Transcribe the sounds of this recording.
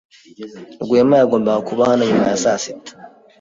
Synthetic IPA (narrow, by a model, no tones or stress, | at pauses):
ɾɡʷemajaɡombaakuβahanaɲimajasasi